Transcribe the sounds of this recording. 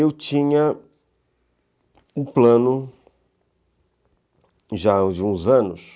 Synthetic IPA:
ewt͡ʃĩɲɐ | ʊplɐ̃nʊ | ʒad͡ʒɪũzɐ̃nʊs

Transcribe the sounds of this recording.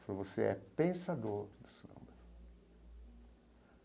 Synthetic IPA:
falovoseɛ̰pẽsad̪oɾd̪ʊsõ̰bɪ

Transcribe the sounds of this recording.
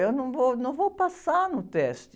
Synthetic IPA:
ewnɐ̃w̃vownɐ̃w̃vowpasanʊt̪ɛʃt̪

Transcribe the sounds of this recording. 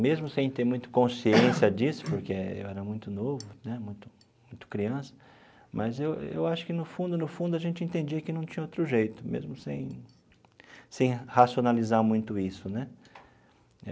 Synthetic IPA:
mezmʊsẽj̃t̪eɾmũj̃t̪ɐ̥kõsiẽsjɐd͡ʒisʊ̥poɾkeḛwɛɾɐmũj̃t̪ʊnovʊnɛmũj̃t̪ʊ | mũj̃t̪ʊ̥kɾiɐ̃sɐ̥ | mɐzewḛwaʃʊ̥kɪnʊfũnd̪ʊnʊfũnd̪ʊɐʒẽnt͡ʃɪẽnt̪ẽnd͡ʒiɐkɪnɐ̃w̃t͡ʃĩɲɐowt̪ɾʊʒejt̪ʊmḛzmʊsẽj̃ | sẽj̃hasionalizaɾmũj̃t̪ʊisʊnɛ

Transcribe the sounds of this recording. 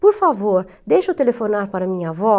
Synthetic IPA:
puɾfavoɾ | d̪ɛʃot̪elefonaɾpaɾmiɲavɔ

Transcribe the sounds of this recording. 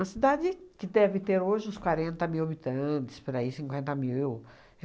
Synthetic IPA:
ɐsid̪ad͡ʒɪkɪd̪ɛvɪt̪eɾoʒɪũskwaɾẽnt̪ɐmiwabit̪ɐ̃t̪ɪ̥spoɾaisĩŋkwẽnt̪ɐmiw

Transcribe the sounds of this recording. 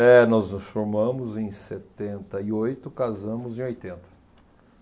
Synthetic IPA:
ɛnɔznʊsfoɾmɐ̃mʊzẽj̃set̪ẽnt̪ɐɪojt̪ʊkazɐ̃mʊzẽj̃ojt̪ẽnt̪ɐ̥

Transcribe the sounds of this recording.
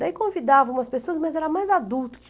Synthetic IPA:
d̪aikõvid̪avɐũmɐspesoɐzmɐzɛɾɐmajzad̪uwt̪ʊ̥k

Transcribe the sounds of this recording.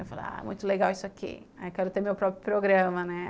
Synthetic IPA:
ewfal̰a̰ɛ̰mũj̃t̪ʊleɡawisʊakʰḭ | kɛɾʊt̪eɾmewpɾɔpɾjʊpɾoɡɾɐ̃mɐnɛ

